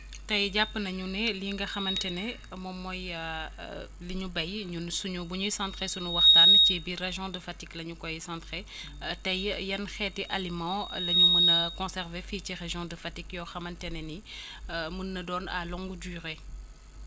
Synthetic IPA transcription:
tɐjɟapːənɐɲunɛliŋɡɐxɐmɐntɛnɛ | mɔmːɔj | liɲubɐjɲunsuɲubuɲujsãntχesunuwɐχtancɛbireʒjɔ̃dəfatiklɐɲukɔjsãːnte | tɐjjɐnxɛːtiʔalimɑ̃lɐɲumənɐkɔ̃sɛʁvefiːciʁeʒjɔ̃dəfɐtikjɔxɐmɐntɛnɛni | munːɐdɔna̰lɔŋɡudyːʁe

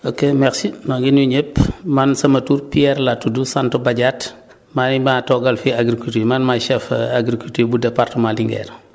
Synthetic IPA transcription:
okemɛɾsimaɡinuɲepmansɐmɐtuːɾpiɛɾlatudusantobaɟat | mamatɔɡɐlfiaɡɾikultiːmanmaʃɛfaɡɾikultiːbudɛpartəmaliŋɡɛ̰ːɾ

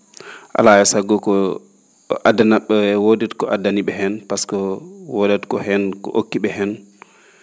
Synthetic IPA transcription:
ʔa̰lajɛsaɡɔkɔ | adanaɓːɛwoditkɔʔadːaniɓɛhɛnpaskɔwodadkɔhɛnkɔ̰ʔo̰kːiɓɛɦɛn

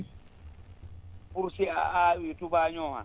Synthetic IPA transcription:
puɾsia̰ʔaːwitubaːɲɔːha̰

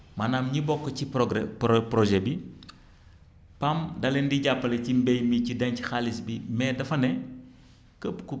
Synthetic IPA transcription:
manamɲibɔkːɐcipɡɾpɾɔʒɛbi | pamdɐlɛndiɟapːɐlecimbɛjmicidɐɲci̥xalisbimɛːdɐfɐnɛ | kəpku

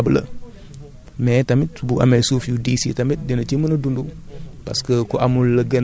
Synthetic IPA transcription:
blɐ̰ | metamitbuʔa̰mesufjudiːsḭtamit̚denɐt͡ʃimənɐdundupa̰skəkoʔamulːɐɡən

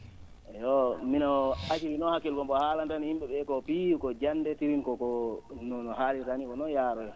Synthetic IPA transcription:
ʔɛjɔminɔat͡ʃiɾinɔhakːɛlkɔmɓɔhaːlandanhimɓɛɓɛkɔpikɔd͡ʒanːdɛtiɾinkɔkɔnɔnɔhalitanikɔnɔnjaːɾɔjɛ

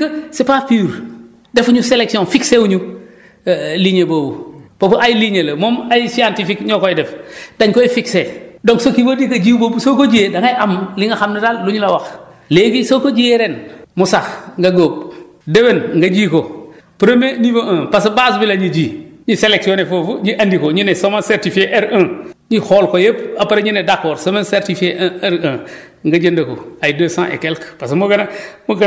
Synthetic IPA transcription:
kɐsipapiɾ | defɲuseleksionfiksewuɲu | liɲebobupopʔajliɲelɐmomajsiantifikɲɔːkojdɛfdaɲkojifiksedoŋksokibodikɐd͡ʒiːwbobusokoɟijedaŋajʔamliŋɡɐxamnɐdalluɲulawax | leːɡisoːkoɟieɾenmusaxŋɡaɡoːb̚ | debenŋɡad͡ʒikopɾomeniboʔãːpasibas̬bilaɲid͡ʒiːɲiselek̚tionefofuɲiʔandikoɲinesomanseɾtifeʔeɾə̃ːɲixolkojep̚apaɾeɲinedakːoɾsomanseɾtifeʔeɾə̃ːŋɡad͡ʒəndɐko̰ajdəsã̰ːʔḛkelkpasmuɡɐnamuɡ

